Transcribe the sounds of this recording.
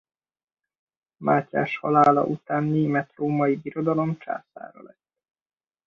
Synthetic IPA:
maːca̰ːʃhɒlaːlɒ̰ʔut̪aːnːeːmɛt̪roːmɒjibiɾo̞d̪ɒlo̞mt͡ʃa̰ːsa̰ːɾɒ̰lɛs

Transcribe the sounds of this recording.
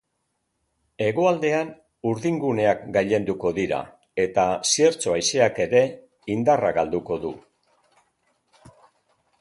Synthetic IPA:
e̞ɣo̞ald̪e̞an | uɾðiŋɡune̞akɡajʎe̞nd̪uko̞ðiɾa̰ | e̞t̪asieɾt͡so̞ajse̞ake̞ɾe̞ | ind̪araɣald̪uko̞ðu

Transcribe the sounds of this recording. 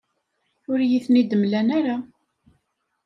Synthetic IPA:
ʊɾjiθnid̪əmlænaɾa

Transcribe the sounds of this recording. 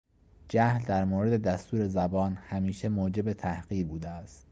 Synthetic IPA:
d͡ʒæhld̪æɾmoːɾe̞d̪e̞d̪æst̪uːɾe̞zæbɒːnhæmiːʃemoːd͡ʒe̞be̞t̪ʰæhɢiːɾbuːd̪eæst̪

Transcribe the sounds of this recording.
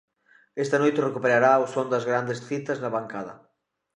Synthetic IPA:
ɛst̪ɐnojt̪erekupeɾaɾaosond̪ɐzɣɾand̪esθit̪ɐznɐβaŋkaðɐ̰

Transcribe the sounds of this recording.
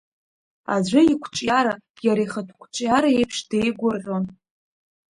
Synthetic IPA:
a̰d͡ʑʷʊikʷʰt͡ʃʼjaɾa | jaɾiχatʷʰkʷʰʼt͡ʃʷʼjaɾaejpʰʂdejɡʷʊrʁʲon

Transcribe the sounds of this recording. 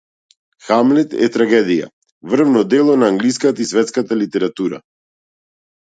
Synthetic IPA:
xamlɛt̪ɛ̰t̪ɾaɡɛd̪ija̰ | vr̩vnɔd̪ɛlˠɔnaːŋɡlis̬kat̪aisvɛt̪skat̪alit̪ɛɾat̪uɾa̰

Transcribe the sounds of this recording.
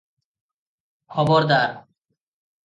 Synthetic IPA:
kʰɔboɾd̪aɾ

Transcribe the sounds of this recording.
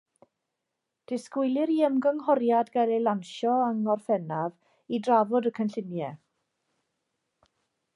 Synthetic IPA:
d̥ɪskwɪjlˠɪɾiəmɡəŋɦɔrjadɡalelanʃɔəŋɔrfɛnav | idravɔdəkʰənɬɪnjɛ

